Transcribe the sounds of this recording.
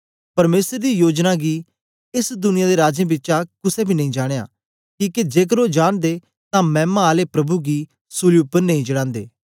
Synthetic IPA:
pɐɾmeːsəɾd̪iːjoːd͡ʒnaɡi | ɪsd̪ʊnɪjãd̪eɾaːd͡ʒẽbɪːt͡ʃakʊsɛ̃bʱinɐĩd͡ʒaːɽ̃eja̰ː | kiːked͡ʒeːk̬əɾod͡ʒaːɽd̪e | t̪ãmɛ̃ːmãaːlepɾɐbuɡiː | sʊlijupəɾnɐĩd͡ʒɐɽ̃ãːnd̪eː

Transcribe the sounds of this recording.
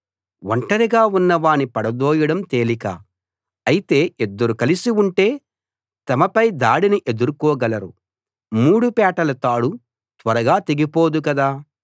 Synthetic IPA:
wɐɳʈɐɾiɡaːunːɐʋaːnipɐɽɐd̪oːjɐɽɐmt̪e̞ːlikɐ̰ː | ɐjit̪e̞ːed̪ːɐɾukɐlisiuɳʈe̞ː | t̪ɐmɐpɐjd̪aːɽiniʔe̞d̪uɾukɔːɡɐlɐɾṵ | muːɽupɛːʈɐlɐt̪aːɽu | t̪ʋɐɾɐɡaːt̪eɡipoːd̪ukɐd̪aː

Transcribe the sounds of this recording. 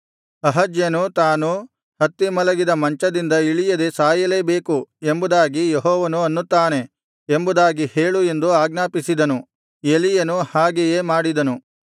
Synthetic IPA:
ɐɦɐd͡ʒjɐnut̪aːnu | hɐt̪ːimɐlɐɡid̪ɐmɐɲt͡ʃɐd̪ind̪ɐiɭijɐd̪esaːjɐle̞ːbe̞ːkue̞mbud̪aːɡijeɦɔːʋɐnuɐnːut̪ːaːne̞ | embud̪aːɡiheːɭue̞nd̪uaːɡnaːpisid̪ɐnu | e̞lijɐnuhaːɡejeːmaːɽid̪ɐnu

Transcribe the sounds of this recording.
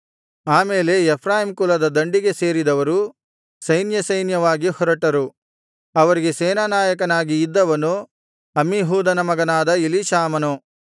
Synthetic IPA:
aːmeːle̞ɛpʰɾaːɦimkulɐd̪ɐd̪ɐɳɖiɡe̞se̞ːɾid̪ɐʋɐɾu | sɐjnjɐsɐjnjɐʋaːɡihɔɾɐʈɐɾu | ɐʋɐɾiɡe̞seːnaːnaːjɐk̬ɐnaːɡiːd̪ːɐʋɐnu | ɐmiɦuːd̪ɐnɐmɐɡɐnaːd̪ɐiliʃaːmɐnu

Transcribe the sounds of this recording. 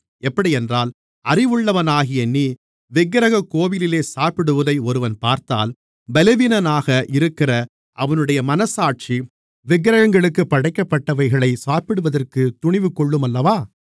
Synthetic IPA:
ɛpːɐɽiɛndraːl | ɐrɪʋɯɭːɐʋɐnaːɣɪjɐnːiː | ʋɪɡɐɾɐɣɐkːoːʋɪlɪleːsaːpɪɽɯʋɐðɐɪɔɾɯʋɐnpaːɾt̪a̰ːl | bɛlɐʋinɐnaːɣɐʔɪɾɯkːɪrɐ | ʔɐʋɐnɯɽɐjɐmɐnɐsaːʈ̚t͡ʃi | ʋɪɡɐɾɐɣɐŋɡɐɭɯkːɯpːɐɽɐɪkːɐpːɐʈːɐʋɐɪɣɐɭɐɪsaːpɪɽɯʋɐðɐrkɯt̪ʊɳɪʋɯkɔɭːɯmɐlːɐʋaː

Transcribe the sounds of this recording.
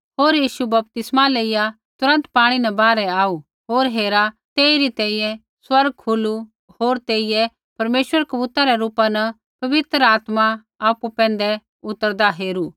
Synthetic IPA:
ɦoːɾjiːʃubɐp̚t̪ɪsmaleːɪja | t̪ʊɾə̃nt̪paːɽ̃inɛbaːɾɛaːu | ɦoːɾɦeːɾa | t̪eːiɾit̪ɛ̃ːĩjɛ̃ | swɐɾɡ̚hʰulu | ɦoːɾt̪eːɪjɛ | pɐɾmeːʃwəɾkɐbuːt̪aɾɛɾuːpanɐ | pɐʋɪt̪ɾəaːt̪ma | aːpupɛ̃ːnd̪ɛ | ʊt̪ːəɾd̪aɦeːɾuː

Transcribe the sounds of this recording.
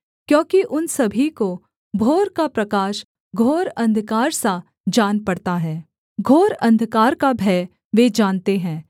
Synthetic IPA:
kjõːkiʔʊnsɐbʱiko | bʱoːɾkapɾɐkaːʃ | ɡʱoːɾɐ̃nd̪ʱkaːɾsa | d͡ʒaːnpɐɽt̪aɦɛː | ɡʱoːɾɐ̃nd̪ʱkaːɾkabʱɛː | ʋeːd͡ʒaːnt̪eɦɛ̃ː

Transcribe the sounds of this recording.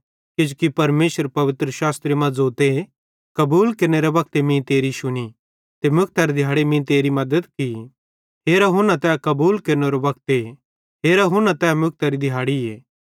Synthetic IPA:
kɪd͡ʒukipɐɾmeːsəɾpɐʋɪt̪ɾəʃaːst̪ɾemɐ̃d͡zoːt̪e | kɐbuːlkeɾneɾebɐk̚t̪emĩt̪eːɾiʃʊɽ̃i | t̪emjʊk̚t̪aɾid̪ʱɪjaːɽemĩt̪eːɾimɐd̪əd̪ki | ɦeːɾaɦʊnãt̪ɛːkɐbuːlkeɾneɾebɐk̚t̪e | ɦeːɾaɦʊnãt̪ɛːmjʊk̚t̪aɾid̪ʱɪjɦaːɽieː

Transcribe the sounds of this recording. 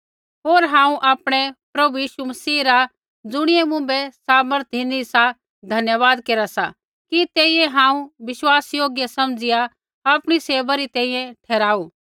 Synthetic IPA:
ɦoːɾɦãːũʔaːpɽ̃ɛpɾɐbujiːʃumɐsiːɾa | d͡zʊɽ̃ɪjɛ̃mʊ̃bɛsaːməɾt̪ʰinisa | d̪ʱɐnjəʋaːd̪keːɾasa̰ | kit̪eːiɛ̃ɦãːũʋɪʃwaːsjoːɡjasɐmd͡zɪja | aːpɽ̃iseːbaɾit̪ɛ̃ːĩːɛ̃ʈʰɛːɾaːuː

